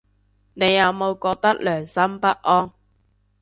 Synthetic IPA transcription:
ne˨˧jːɐ˨˧wmo˨˧wkɔː˧k̚t̪ɐ˥k̚lœː˨˩ŋsɐ˥mpɐ˦˥t̚ʔɔː˥ŋ

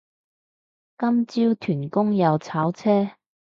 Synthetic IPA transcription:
kɐ˥mt͡siː˥wt̪ʰyː˨˩nkʊ˥ŋjɐ˨˧wt͡sʰaː˨˥wt͡sʰɛː˥

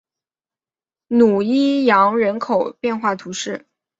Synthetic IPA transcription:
nu˨˩i˥jɑ˧˥ŋɻə˧˥nkʰo˨˩ʊpjɛ˥˧nxwa˥˩t̪ʰu˧˥ʂɻ̩˥˩

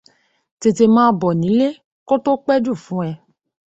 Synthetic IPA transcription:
te˧te˧mãː˦bɔ˨nĩ˨˦le˦ | ko˦to˦k͡pɛ˦d͡ʒu˦˨fũ˨˦ɛ˧

